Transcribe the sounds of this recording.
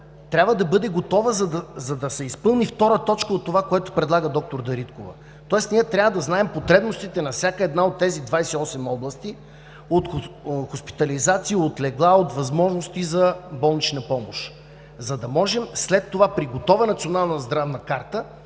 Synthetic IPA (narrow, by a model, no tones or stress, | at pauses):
t̪ɾʲabvəd̪ɐbɤd̪ɛɡot̪ɔvəzɐd̪ɐzɐd̪ɐsɛispɤlˠnift̪ɔɾət̪ɔt͡ʃkəot̪ːovakoɛt̪ʊ̥pɾɛd̪lˠaɡəd̪ɔk̚t̪oɾd̪ɐɾit̪kovɐ̰ | t̪ɔɛsniɛt̪ɾʲavəd̪ɐznaɛmpot̪ɾɛbnost̪it̪ɛnɐfsʲjakəɛd̪naot̪ːɛzid̪vajsɛiɔsɛmɔblˠɐst̪i | ot̪xxospi̥t̪ɐlizat̪siəot̪lɛɡlˠaot̪vɐzmɔʒnoʊst̪izɐbɔlˠnit͡ʃnɐpɔmoʃ | zɐd̪ɐmɔʒɛmslɛt̪ːovapɾiɡot̪ɔvənɐt̪sionalˠnɐzd̪ɾavnɐkaɾt̪ə